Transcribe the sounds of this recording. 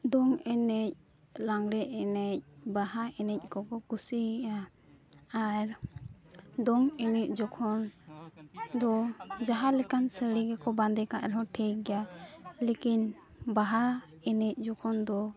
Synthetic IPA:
d̪ɔŋɛnɛc̚ | laŋɽɛʔɛnɛc̚baɦaʔɛnɛc̚kɔkɔkusiʔa | aɾ | d̪ɔŋɛnɛc̚d͡ʒɔkʰɔn | d̪ɔd͡ʒaɦalɛkansəɽiɡɛkɔband̪ɛkaʔɾɛɦɔ̃ʈʰɛjɡɛjalekin | baɦa | ɛnɛc̚ˀd͡ʒɔkʰɔnd̪ɔ

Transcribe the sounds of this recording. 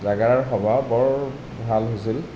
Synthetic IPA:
zaɡaɹaɹxɔbabɔɹ | bʱalɦojsil

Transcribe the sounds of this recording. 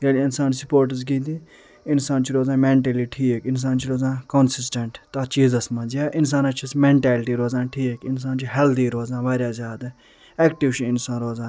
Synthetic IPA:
ɡeːliɪnsaːnsʊpoːɾʈ̬əzɡiːd̪i | ɪnsaːnt͡ʃiɾoːzãːmẽːɳʈeːliːʈʰiːekɪns̬aːnt͡ʃiɾoːzãːkonsɪsʈeɳʈt̪at͡ʃiːzɐsmãːd͡ʒiaːʔɪns̬aːnɐt͡ʃʰismẽːɳʈɛːlʈiːɾoːzãːʈʰiːekɪns̬aːnt͡ʃiɦɛld̪iːɾoːzãːʋaːɾjaːzjaːd̪a | ɛːkʈiʋt͡ʃiɪnsãːnɾoːzãː

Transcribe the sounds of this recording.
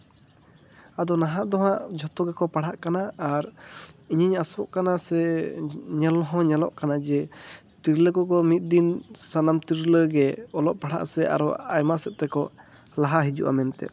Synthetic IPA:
ad̪ɔnaɦaʔd̪ɔɦaʔd͡ʒʱɔt̪ɔɡɛkɔpaɽ̤aʔkanaːɾiɲəɲasɔʔkanasɛ | ɲɛlɦɔ̃ɲɛlɔ̰ʔkanad͡ʒɛ | t̪iɾləkɔkɔmit̪̚ˀd̪insanamt̪iɾləɡɛɔlɔʔpaɽa̰ʔsɛʔa̰ɾɔajmaʔsɛt̪̚t̪ɛkɔ | laɦaɦid͡ʒṵʔa̰mɛnt̪ɛ̰

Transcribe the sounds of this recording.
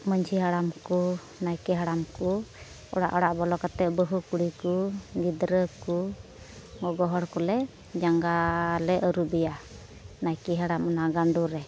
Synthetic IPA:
məɲd͡ʒʰiɦaɽamku | najkɛɦaɽamku | ɔ̰ɽa̰ʔɔɽaʔbɔlɔkat̪ɛʔ̚bəɦukuɽikuɡid̪ɾəku | ɡɔɡɔɦɔɾkɔlɛ | d͡ʒaŋɡalɛʔəɾubɛja | najkɛɦaɽamɔnaɡaɳɖuɾɛ

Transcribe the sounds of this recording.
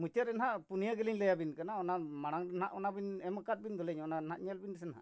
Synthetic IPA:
mut͡ʃaɾɛnɦaʔpunijaɡɛliɲlɛjabinkanaɔnamaɽ̃aŋdɛnhaʔɔnabinɛmakat̪̚bind̪ɔlɛɲɔnaɛnɦaʔɲɛlbindɛs̬ɛnaɦa̰ʔ

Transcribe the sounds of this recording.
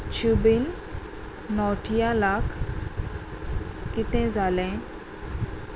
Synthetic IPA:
t͡ɕubinː | ɔʈʰijãlakʰ | kːit̪ɛ̃d͡zʱalɛ̃

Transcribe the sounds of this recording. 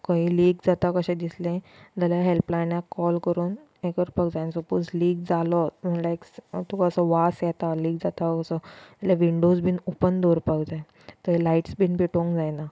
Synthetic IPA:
kə̃ɦĩːliːɡd͡zat̪akəɕɛ̃d̪islẽd͡zaljaɦelplajnakːɔlkəɾuːn | ekəɾpəɡd͡zajnsəpod͡zliːɡ̚d͡zalɔm̤əɳlakt̪ukaəsəʋasjɛt̪aliːɡd͡zat̪aəsɔalaʋiɳɖod͡zbʱiːnopənd̪oɾpəɡd͡zae | t̪əelaiʈsbiːnpeʈõŋkd͡zajna

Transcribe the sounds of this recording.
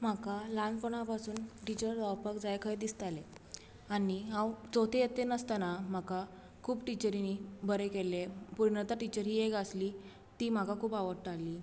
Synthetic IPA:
m̤akalanpɔɳ̃apasuːnʈit͡ɕəɾd̪awpəkd͡zajkʰəjd̪ist̪ale | aniɦãwd͡zot̪ʰejet̪enəst̪anam̤aka | kʰuːbʈit͡ɕəɾinibəɾekelepuɾɳət̪aʈit͡ɕəɾɦieɡəsliː | t̪iːm̤akakʰuːpaʋəɽʈalːiː

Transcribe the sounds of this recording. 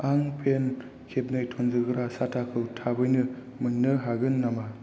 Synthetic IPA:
aŋpʰen | kʰep̚nɯjtʰonzɯɡɯɾasatʰakʰɯwtʰabɯjnɯ | mɯŋnɯɦaɡɯnːama

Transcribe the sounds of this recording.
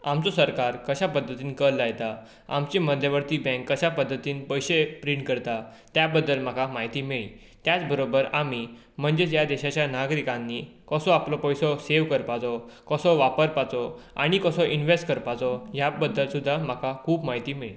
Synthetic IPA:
amt͡sɔsəɾkaɾkəɕapəd̪ʱːət̪iːnkəlːajt̪a | a̰mt͡ɕeməd̪ʱjəʋəɾt̪iːbɛ̃ŋkːəɕapəd̪ʱːət̪iːnpəjɕepɾiɳʈkəɾt̪a | t̪jabəd̪ːəlm̤akʰamaɦit̪iːmeɭḭ | t̪jat͡sbəɾobəɾami | m̤əɳd͡zed͡ʑjad̪eɕat͡ɕjanaɡɾikãnːikəsɔaplɔpəjsɔseʋkəɾpat͡sɔkəsɔʋapəɾpat͡sɔa̰ɽ̃ikəsɔʔinʋesʈkəɾpat͡sɔjabəd̪ːəlsud̪ʱːam̤akʰakʰuːpmaɦit̪iːmeɭi

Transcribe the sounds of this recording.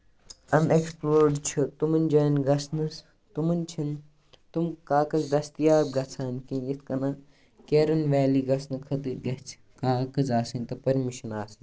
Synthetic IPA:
ɐneksploːɾɖt͡ʃʰut̪umɐnʲd͡ʒɐːnɡɐsnɐs | t̪umɐnt͡ʃʰin | t̪umkaːkɐzd̪ɐst̪ijaːb̚ɡɐt͡sʰaːnkinit̪ʰkɐnɐ | keːɾɐnʋɛːliːɡɐsʰnɐkʰɐt̪iɡɐt͡sʰ | kaːkɐzaːsɐnʲt̪ɐpɐɾmiʃɐnaːsin

